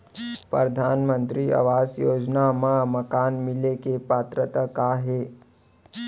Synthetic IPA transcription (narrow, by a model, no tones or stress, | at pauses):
pɾəd̪ʱaːnmə̃nt̪ɾia̰ʋaːzjoːd͡ʒnamãməkaːnmɪlekepaːt̪ɾət̪akaːɦeː